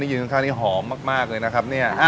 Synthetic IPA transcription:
niː˥˩ɯː˧˩ka˧ŋkʰaː˥˩ni˥˩ɦɔː˩˦mːaː˥˩k̚maː˥˩k̚lɤː˧jna˦˥kʰa˦˥p̚ni˥˩ɐʔa˧˩

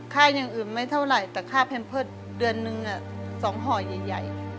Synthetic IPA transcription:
kʰaː˥˩ɲa˧˩ŋʔɯː˨˩nma˧˥˩jt̪ʰa˥˩wla˨˩jt̪ɛː˧˩kʰaː˧˥˩pʰɛ˧˨npʰɤː˧˥˩t̪̚ | dɯ˧ənːɯ˧ŋʔa˧˩ | sɔː˩˦ŋɦɔː˧˩ja˨˩jːa̰˨˩j

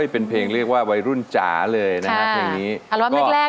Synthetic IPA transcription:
a˥˩jpe˧npʰeː˧ŋɾɯ˥˩ək̚waː˥˩wa˧jɾu˥˩nt͡ɕa̰ː˩˦lɤː˧jna˦˥kʰa˦˥jŋniː˦˥a˨˩˦waː˥mkɔaː˥˩lɛː˥˩

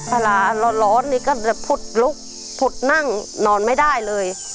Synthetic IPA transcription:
pʰa˧laː˨˩lɔ˧lɔː˨˦˥nːiː˧˩kɔː˥˩ɛ˧˩pʰu˨˩t̪̚lu˦˥k̚ | pʰu˨˩t̪̚na˥˩ŋnɔː˧nma˥˩jda˥˩jlɤː˧j

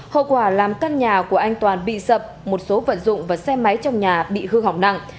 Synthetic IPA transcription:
ho̰˧˨kwaː˧˩laː˨˩mkaː˧nɲaː˨˩ku˧˩əʔaː˧jŋt̪waː˨˩nɓḭ˧˨sə˨˩p̚mo˨˩t̚so˨˦və̰˧˨nzʊ̰˧˨ŋ͡mvaː˨˩sɛ˧ma˨˦jt͡ɕɔ˧wŋ͡mɲaː˨˩ɓḭ˧˨hɨ˧ɦa˨˩wk͡p̚na˧ŋ

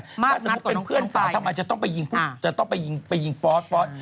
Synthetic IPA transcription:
aː˥˩sa˧˦˥tpe˧npʰɯ˥˩ə˧˨naː˨˩˨tʰa˧maː˧˩jt͡ɕa˨˩t̪ɔ˥˩ŋpa˧ji˧ŋpʰu˧˥˩t͡ɕa˨˩t̪ɔ˥˩ŋpa˧jːi˧ŋpa˧ji˧ŋfɔː˦˥t̪̚fɔː˦˥t̪̚

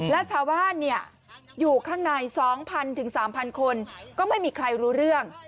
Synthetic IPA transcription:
lɛː˦˥wt͡ɕʰaː˧˥wbaː˥˩nːi˥˩ə | juː˨˩kʰaː˥˩ŋnaː˧jsɔː˩˦ŋpʰa˧nt̪ʰɯ˩˦ŋsaː˩˦mpʰa˧nkʰo˧nkɔː˥˩ma˥˩jmiː˧kʰɾa˧jɾuː˦˥ɾɯ˥˩əŋ

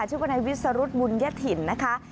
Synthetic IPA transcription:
t͡ɕʰu˥˩˨ba˧na˧jwi˦˥t̪̚sa˧ɾu˦˥t̪̚bu˧nja˦˥t̪ʰi˨˩nːa˦˥kʰa˦˥ʔ

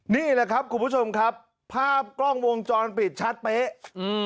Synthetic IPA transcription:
niː˦˥˩ləː˧˩kʰɾa˦˥p̚kʰu˧npʰu˦˥t͡ɕʰo˧mkʰa˦˥pʰː | aː˥˩p̚klɔ˥˩ŋwo˧ŋt͡ɕɔː˧npi˨˩t̪̚t͡ɕʰa˦˥t̪̚peː˦˥ʔʔɯː˧

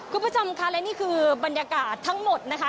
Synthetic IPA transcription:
kʰu˧npʰːt͡ɕʰo˧mkʰa˦˥lɛ˦˥wniː˥˩kʰɯː˧ba˧njaː˧kaː˨˩t̪ʰːa˦˥ŋmo˨˩t̪̚na˦˥kʰa˦˥

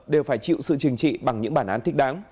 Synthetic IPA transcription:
ɗe˨˩wfaː˧˩jt͡ɕḭ˧˨wsɨ̰˧˨t͡ɕɨ˨˩ŋt͡ɕḭ˧˨ɓa˨˩ŋɲɨ̰˧˥ŋɓaː˧˩nʔaː˨˦nt̪ʰi˦˥k̟̚ɗaː˨˦ŋ

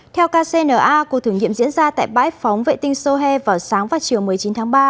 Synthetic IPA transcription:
t̪ʰɛ˧wkaː˧se˧nəː˧˩ʔaː˧ku˧˦˩t̪ʰɨ˨˩əŋɲḭ˧˨mzḭ˧˥ənzaː˧t̪a̰ː˧˨jɓa̰ː˧˥jfɔ˨˦wŋ͡mvḛ˧˨t̪ï˧ŋ̟so˧ɦɛ˧vaː˨˩wsaː˨˦ŋvaː˨˩t͡ɕi˨˩əwmɨ˨˩əjt͡ɕi˨˦nt̪ʰaː˨˦ŋɓaː˧

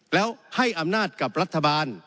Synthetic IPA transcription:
lɛː˦˥wha˥˩jʔa˧mnaː˥˩t̪̚ka˨˩p̚ɾa˦˥t̪ʰːa˧baː˧n

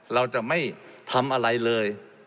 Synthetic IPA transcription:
la˧wt͡ɕa˨˩ma˥˩jt̪ʰa˧mʔa˧ɾa˧jlɤː˧j

